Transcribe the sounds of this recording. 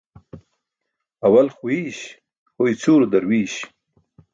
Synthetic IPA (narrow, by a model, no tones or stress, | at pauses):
ɐwɐlxuiːɕ | hojt͡suːɾd̪ɐɾwiːɕ